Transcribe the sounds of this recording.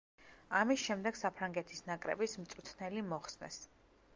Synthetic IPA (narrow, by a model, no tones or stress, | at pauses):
amisʃɛmd̪ɛɡ̥sapʰɾaŋɡɛt̪ʰisnakʼɾɛ̰bismt̪sʼut̪ʰnɛlimɔχsnɛ̰s